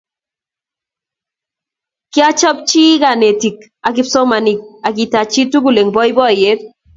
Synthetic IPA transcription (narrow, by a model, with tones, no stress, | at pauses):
kɪ˦a˦t͡ʃɔ˦p̚t͡ʃi˦ɡa˨ne˨ti˨k | a˨kɪ˦psɔ˦ma˨ni˨k̚a˨ɡi˨ta˨t͡ʃi˦tu˦ɡu˨le˨ŋbɔ˦jbɔ˦˨je˦d